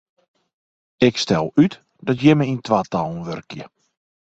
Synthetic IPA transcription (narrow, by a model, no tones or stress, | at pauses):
ɪkstɛlˠyt | d̥ɔtjɛməintʋaːtalˠn̩ʋørkjə